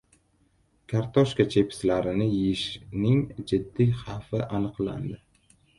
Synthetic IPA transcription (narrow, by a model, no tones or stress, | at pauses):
kʰaɾt̪ʰɒʃkat͡ʃʰe̞pʰɪ̥slaɾɪnɪjɪʃnɪŋd͡ʒɪd̪ːiχafɪʔanɨqla̰nd̪ɪ